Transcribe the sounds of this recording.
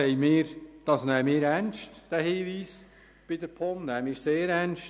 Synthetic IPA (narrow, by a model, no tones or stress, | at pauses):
ɛɪmɪːɾd̥ɑsnæːmɪːɾænʃtd̥æhiːʋiːs | b̥ɪdəɾpʰɔmnæːmɪɾseːɾænʃ